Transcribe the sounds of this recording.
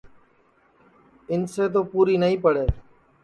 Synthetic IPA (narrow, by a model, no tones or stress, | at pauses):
ɪnseːt̪̬oːpuːɾiːnəɦĩːpəɽeː